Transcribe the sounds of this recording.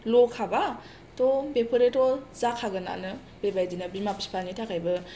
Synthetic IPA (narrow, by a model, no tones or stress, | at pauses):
lɔkʰaba | tɔbepʰɯɾetɔzakʰaɡɯna̰nɯ | bebajdinabimapispʰanitʰakʰajbɯ